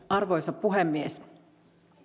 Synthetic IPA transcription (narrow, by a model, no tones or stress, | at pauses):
ɑrʋo̞jsɑpːuɦemːies